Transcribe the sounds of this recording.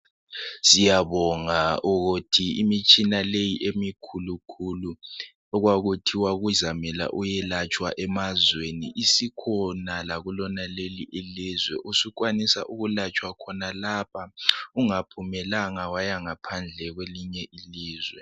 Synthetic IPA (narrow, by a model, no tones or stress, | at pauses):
sijaβɔŋauɣutʰiimit͡ʃʼinalejiʔemikʰulukʰulu | ɔɣwaɣutʰiwaɣuzamɛla̰ʔujɛlat͡ʃʼwa̰ʔɛmazweniʔisikʰɔnalaɣulɔnaleliʔelizwɛ̰ʔusukwanisa̰ʔuɣulat͡ʃʼwakʰɔnalapʰauŋapʰumɛlaŋawajaŋapʰand͡ɮʱɛɣweliɲɛʔiliːzwɛ